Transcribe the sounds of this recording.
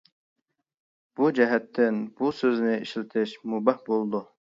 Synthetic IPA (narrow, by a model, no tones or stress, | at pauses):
b̥ud͡ʒɛɦɛt̪ʰːɪnb̥usøznɪiʃlɪt̪ʰɪʃmubɛhbolˠd̪u